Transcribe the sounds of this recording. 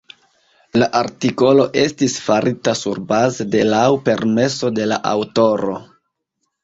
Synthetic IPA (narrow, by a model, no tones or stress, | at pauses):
laʔaɾtiko̞lo̞ʔe̞stisfaɾʔitasuɾbazede̞lawpe̞ɾme̞so̞de̞la̰ʔa̰wto̞ɾo̞̰